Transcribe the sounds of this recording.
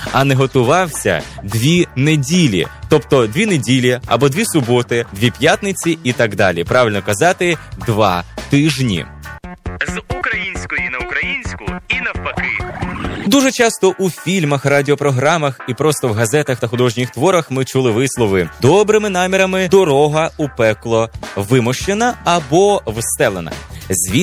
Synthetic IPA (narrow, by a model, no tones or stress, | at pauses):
ɐnɛɦɔt̪ʊʋɑwsʲɐ̰d̪ʲʋʲinedʲilʲḭt̪ɔpt̪ɔd̪ʲʋʲinedʲilʲiɐ̰bɔd̪ʲʋʲisʊbɔt̪ɪd̪ʋʲipʲjat̪nɪt͡sʲiit̪ɑɡd̪ɑ̰lʲipɾɑʋʲɪlʲnɔkɐzɑt̪ɪd̪ʋɑ̰t̪ɪʒnʲḭ | zukɾɐjinʲsʲkɔjinɐʊkɾɐjinʲsʲkʊinɐwpɐkɪd̪uʒɛt͡ʃɑst̪ɔʔufʲilʲmɐxrɑdʲɪɔpɾɔɦɾɑmɐxipɾɔst̪ɔwɦɐzɛt̪ɐxt̪ɐxʊd̪ɔʒnʲixt̪ʋɔɾɐxmɪt͡ʃulˠɪʋɪslˠɔʋɪd̪ɔbɾɪmɪnɑmʲɪɾɐmɪd̪ɔɾɔɦɐupɛklˠɔʋɪmɔʃt͡ʃenɐɐbɔʋst̪ɛlˠenɐ̰zʲʋʲi